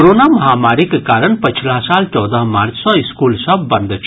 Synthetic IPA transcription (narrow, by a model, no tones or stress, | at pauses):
ɾonamɐɦaːmaɾikkaːɾəɳpət͡ʃʰlaɦsaːlt͡ʃɔwd̪əɦmaɾt͡ʃsɔ̃iskulsʌbbɐnd̪ʱt͡ʃʰ